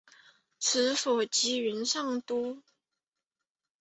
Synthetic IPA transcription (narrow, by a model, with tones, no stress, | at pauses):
t͡s̩ʰ˧˥fɔ˨˩t͡ɕi˧˥y˧˥nʂɑ˥˩ŋt̪u˥